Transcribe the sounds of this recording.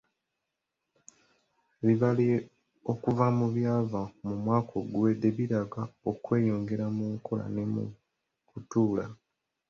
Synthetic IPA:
βiβali | okuvamuβjaːvamumwaːkʰo̞ɡwede̞βiɾaɡao̞kwe̞ːjoːŋɡe̞ɾamuŋkʰo̞la̰nemṵ | kutuːla

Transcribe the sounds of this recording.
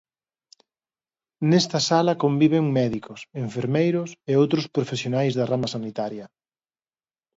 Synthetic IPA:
nɛst̪ɐsalɐkombiβ̞eŋmɛðikoseɱfeɾmejɾʊseowt̪ɾospɾofesjonajzðɐramɐsanit̪aɾjɐ

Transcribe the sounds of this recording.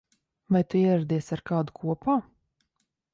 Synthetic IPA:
vajt̪uiɛɾad̪iɛsaɾkaːd̪ukʰuɔpaː

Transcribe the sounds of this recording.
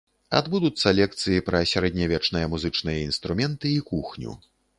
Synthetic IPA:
a̰d̪bud̪ut̪sːɐlʲɛk̚t̪sɨjipɾɐsʲaɾɛd̪ʲnʲɐvʲɛt͡ʂn̪ɨjɐmuzɨt͡ʂn̪ɨjɐinst̪ɾumʲɛnt̪ɨikuxnʲṵ

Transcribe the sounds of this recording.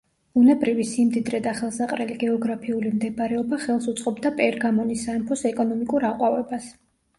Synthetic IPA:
b̥unɛbɾivisimd̪id̪ɾɛd̪aχɛlˠsaqʼɾɛliɡɛɔɡɾapʰiulimd̪ɛbɾɛɔbaχɛlˠsut̪sʼqʼɔbd̪apʼɛɾɡamɔnisaɛmpʰɔsɛkʼɔnɔmikʼuɾaqʼwavɛbas

